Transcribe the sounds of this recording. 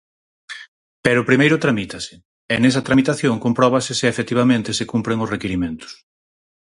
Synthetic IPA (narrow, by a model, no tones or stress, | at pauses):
pɛɾʊpɾimejɾʊt̪ɾamit̪ɐsɪ̥ | ɛnɛsɐt̪ɾamit̪aθjoŋkompɾɔβ̞ɐsɪsɪefet̪iβamẽnt̪esekumpɾeŋʊsrekeɾimẽnt̪ʊ̥s